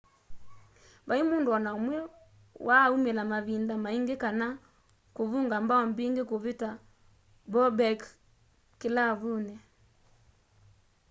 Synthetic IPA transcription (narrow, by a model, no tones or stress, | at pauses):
βaimoːndoɔnaɔmwɛ | waumelamaβindamaiŋɡekana | koβuːŋɡambaɔmbiːŋɡekoβeta | bɔbɛk | kelaβunɛ